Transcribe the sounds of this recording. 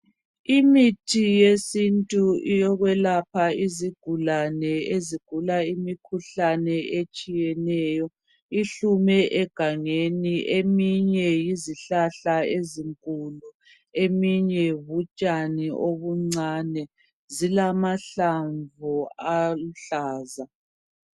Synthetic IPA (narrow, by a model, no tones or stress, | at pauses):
imitʰijesintʼuijɔɣwɛlapʰaiziɡ̥ʱulanɛeziɡ̥ʱulaimikʰuɬanɛet͡ʃʼijɛnɛːjɔ | iɬumɛʔɛɡ̥ʱaŋeniʔemiɲɛjiziɬaɬaeziŋkʼulu | emiɲɛβut͡ʃʼaniʔoβuŋ͡ǀaːnɛ | zilamaɬaɱvɔaluɬaːza